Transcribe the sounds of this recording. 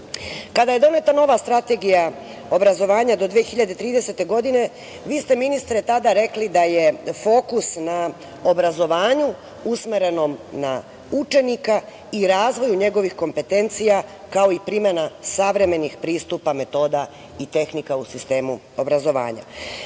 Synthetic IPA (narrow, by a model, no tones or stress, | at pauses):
kad̪ajed̪o̞ne̞t̪ano̞ʋast̪ɾat̪e̞ɡija | o̞bɾazo̞ʋaːɲad̪o̞d̪ʋiexiʎad̪e̞t̪ɾiːd̪ese̞t̪e̞ɡo̞d̪ine̞ | ʋiːst̪e̞minist̪ɾet̪ad̪aɾe̞klid̪aje̞fo̞ːkusna | o̞bɾazo̞ʋaːɲu | usmeɾe̞no̞mna | ut͡ʃe̞nika | iɾaːzʋo̞juɲe̞ɡo̞ʋixko̞mpe̞t̪e̞nt̪sija | kao̞ipɾimenasaʋɾe̞me̞nixpɾiːst̪upame̞t̪o̞ːd̪a | it̪e̞xnikausist̪e̞ːmu | o̞bɾazo̞ʋa̰ːɲa̰